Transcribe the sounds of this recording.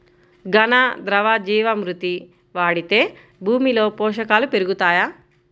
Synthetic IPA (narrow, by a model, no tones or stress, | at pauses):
ɡɐnad̪ɾɐʋaːd͡ʒiːʋɐmɾut̪i | ʋaːɽit̪e̞ː | bʱuːmilo̞ːpɔːʂɐkaːlupeɾuɡut̪aːjaː